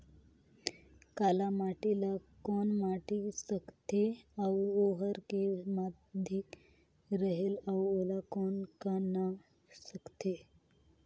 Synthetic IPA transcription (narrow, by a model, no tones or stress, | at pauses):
kalamaʈilakɔnmaʈisəkt̪eawoɦəɾkema | d̪ʱik | ɾəɦelawolakɔnkanə | səkt̪e